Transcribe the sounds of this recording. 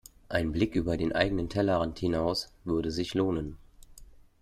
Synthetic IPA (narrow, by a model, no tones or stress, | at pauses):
ʔaɪnblɪkʔyːbɐdeːnʔa̰ɪɡənəntʰɛlɐʁanthɪnaʊsv̥ʏɐdəzɪçloːnən